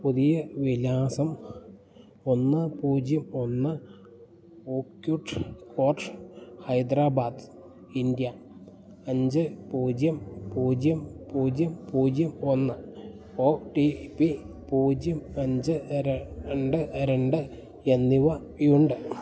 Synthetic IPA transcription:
puðijɐʋilaːsɐm | o̞nːɨpuːd͡ʑjɐmo̞nːɨ | oːkjuʈːkoːrʂhɐjd̪ɾaːbaːd̪ɨ | ind̪jɐ | ɐɲd͡ʑɨpuːd͡ʑjɐmpuːd͡ʑjɐmpuːd͡ʑjɐmpuːd͡ʑjɐmo̞nːɨ | oʈipi | puːd͡ʑjɐmɐɲd͡ʑɨ | ɳɖɨɾeɳɖɨ | enːiʋɐ | juɳɖɨ

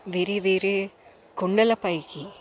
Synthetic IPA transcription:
ʋɪɾɯʋiɾɯ | kʊɳɖɐlɐpɐjki

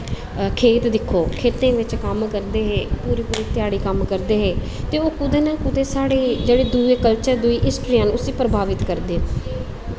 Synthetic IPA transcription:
kʰeːt̪d̪ɪkʰːoːkʰeːt̪ẽːʋɪt͡ʃkəmkəɾd̪eːɦeːpuːɾiːpuːɾiːt̪ɪjaːɽiːkəmkəɾd̪eːɦeː | t̪eːoːkʊd̪eːnãːkʊd̪eːsaːɽeːd͡ʒeːɽeːd̪ueːkəlt͡ʃəɾd̪ʊiːʔɪsʈɾiãːnũːʊsiːpɾəbʱaːʋɪt̪kəɾd̪eː

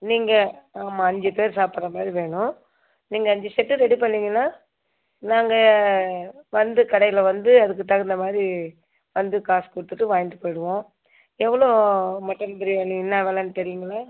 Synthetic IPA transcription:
niːŋɡɐaːmaːɐɲd͡ʒɯpeːɾsaːpɯɾɐmaːd̪ɾiʋeːɳʊ̃ | niːŋɡɐːɲd͡ʒɪsɛʈːɯɾɛɽipɐɳːiːŋɡɐnaː | naːŋɡɐ | ʋɐnd̪ɯkɐɽɐjɪlɐʋɐnd̪ɯɐðɯk̬ːɯt̪ɐɣɯnd̪ɐmaːd̪ɾi | ʋɐnd̪ɯkaːskʊɽɯt̪ːɯʈːɯʋaːjnd̪ɯpoːjɽɯʋõː | ɛʋːɐɭoːmɐʈːɐnb̪ɐɾiʋeːɳɯ̃ɪnːaːʋeːlɐnɯt̪ɛɾɪjɪŋɡɐlaː

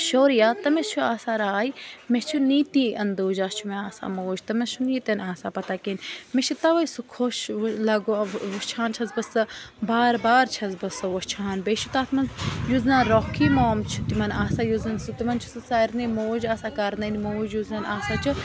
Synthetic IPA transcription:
ʃoːɾjaːt̪ɐmet͡ʃʰuaːsaɾaːjimet͡ʃʰuniːt̪iʔɐnd̪oːd͡ʒaːst͡ʃʰumeaːsa̰moːd͡ʒt̪ɐmest͡ʃʰuniːt̪enaːsapɐt̪aːkenmet͡ʃʰut̪ɐʋɐjsukʰoʃlɐɡoʋɐst͡ʃʰaːnt͡ʃʰɐzbɐsɨbaːɾbaːɾt͡ʃʰɐzbɐsɨʋɐst͡ʃʰaːnbeʃʰut̪aːt̪ʰmɐnzjuznanɾoːkʰiːmoːmt͡ʃʰu̥t̪imɐnaːsaːjuzɐnsɨt̪imɐnt͡ʃʰu̥sɨsaɾnemoːd͡ʒaːsakɐɾnɐnimoːd͡ʒjuznɐnaːsaːt͡ʃʰu

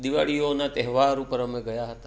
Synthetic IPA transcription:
d̪iʋa̰ɭionat̪ɛɦʋaɾupəɾəmeɡəjaɦət̪a

